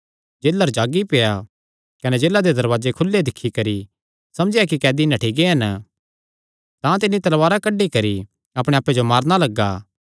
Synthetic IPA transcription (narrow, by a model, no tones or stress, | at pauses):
d͡ʒeːlːəɾd͡ʒaːɡipeːja | kɐned͡ʒeːlad̪ed̪ɐɾʋaːd͡ʒekʰʊlːed̪ɪkʰːikɐɾi | sɐmd͡ʒijak̬ikɛːd̪inãʈʰiɡeɦɐn | t̪ãt̪ɪnːit̪ɐlʋaːɾakɐɖːikɐɾi | ɐpɽ̃ẽaːpːed͡ʒomaːɾnalɐɡːaː